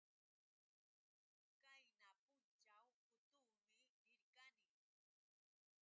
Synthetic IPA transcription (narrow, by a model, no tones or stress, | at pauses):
kajnapʊnt͡ʃawpʊt̪ʊːmɪdɪɾkanɪŋ